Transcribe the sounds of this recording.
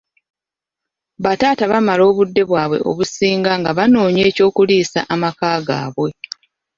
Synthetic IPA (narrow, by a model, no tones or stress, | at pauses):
βataːtaβamalo̞ːβudːe̞βwaːβwe̞̰ʔo̞̰βusiːŋɡaŋɡaβanoːɲe̞ːco̞ːkuliːsa̰ʔamakaːɡa̰ːβwe̞